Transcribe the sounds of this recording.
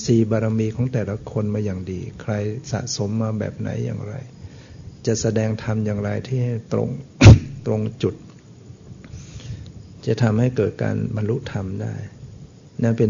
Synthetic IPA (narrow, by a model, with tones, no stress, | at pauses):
siː˨˩baː˧ɾa˧miː˧kʰɔː˩˦ŋt̪ɛː˨˩la˦˩kʰo˧nmaː˧jaː˨˩ŋdiː˧kʰɾa˧jsa̰˨˩ʔso˩˦mːaː˧bɛ̰ː˨˩p̚na̰˩˦jːa̰ː˨˩ŋɾa̰˧j | t͡ɕa˨˩ʔsa˧dɛː˧ŋt̪ʰa˧mjaː˨˩ŋɾa˧jt̪ʰiː˥˩ha˥˩jt̪ɾo̰˧ŋt̪ɾo˧ŋt͡ɕu˨˩t̪̚ | t͡ɕa˨˩t̪ʰa˧mha˥˩jkɤː˨˩t̪̚ka̰ː˧nba˧nlu˦˥ʔt̪ʰa˧mda̰ː˥˩j | na˥˩npe˧